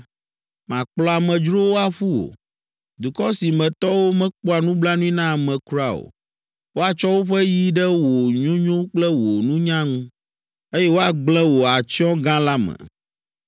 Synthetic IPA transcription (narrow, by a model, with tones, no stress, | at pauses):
mã˨k͡plɔ˨a˨mɛ̃˨d͡ʒɾo˦wo˦a˨ɸu˦o̰˨ | d̪u˨kɔ˦si˨mɛ̃˨t̪ɔ˦wo˦mɛ̃˦k͡pɔ˦a˨nũ˦bla˦nũ˦ĩ˦nã˦˨mɛ̃˨ku˦ɾa˦˨o̰˨ | wo˦a˨t͡ʃɔ˦wo˦ɸɛ˦ji˦ɖɛ˦wo˨ɲõ˦ɲõ˦k͡plɛ˦wo˨nũ˦ɲã˦ŋũ˦ | e˦jɛ˦wo˦a˨ɡ͡blɛ̃˦wo˨a˨t͡ʃi˦ɔ̃˦ɡã˦la˦mɛ̰̃˨